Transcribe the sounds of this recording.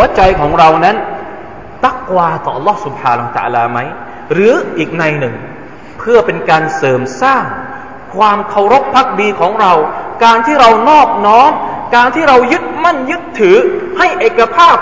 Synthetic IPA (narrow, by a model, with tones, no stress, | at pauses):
t͡ɕa˧jkʰɔː˩˦ŋɾa˧wna˦˥n | t̪a˦˥˩kwaː˧t̪ɔː˨˩ʔɑ˧lːɔː˦˥˩su˨˩p̚haː˧na˧˥˩t̪a̰ː˧laː˧ma˦˥j | ɾɯː˩˦ʔiː˨˩k̚na˧jnɯ˨˩ŋ | pʰɯ˥˩ɐpe˧nkaː˧nsɤː˨˩msaː˥˩ŋ | kʰwaː˧mkʰa˧˩wɾo˦˥k̚pʰa˦˥k̚biː˧kʰɔː˩˦ŋɾa˧wkaː˧nt̪ʰiː˥˩ɾa˧wnɔː˥˩k̚nɔː˦˥mkaː˧nt̪ʰiː˥˩ɾa˧wjɯ˦˥t̪̚ma˥˩njɯ˦˥t̪ʰːɯː˩˦ha˥˩jʔeː˨˩kːa˧pʰaː˥˩p̚